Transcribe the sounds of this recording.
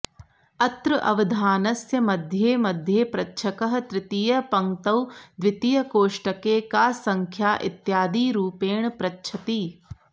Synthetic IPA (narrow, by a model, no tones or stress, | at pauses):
ɐt̪ɾɨʔɐʋɐd̪ʱaːnɐsjɐmɐd̪ʱjeːmɐd̪ʱjeːpɾɐtːʃʰɐkɐɦɐt̪ɾɪt̪ijɐpɐŋt̪ɐwd̪ʋɪt̪ijɐkoːʂʈɐkeːkaːsɐŋkʰjaːʔḭt̪jaːd̪iːɾuːpeːɳpɾɐtːt͡ʃʰɐt̪iː